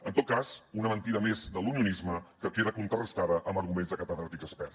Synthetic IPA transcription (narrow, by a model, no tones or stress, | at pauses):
ənt̪ot̪̚kasunəmənt̪iðəmezd̪əluniunizməkəkeðəkunt̪ɾərəst̪aðəʔəmbəɾɣumenzðəkət̪əðɾat̪ikzəspɛɾs